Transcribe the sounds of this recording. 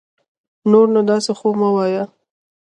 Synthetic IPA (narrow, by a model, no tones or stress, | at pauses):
noɾnad̪ɑsexomawɑja